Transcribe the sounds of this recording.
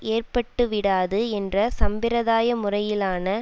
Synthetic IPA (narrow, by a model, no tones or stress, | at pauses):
ʔeːrpɐʈːɯʋɪɽaːðɯɛndrɐsɐmbɪɾɐðaːjɐmʊrɐjɪlaːnɐ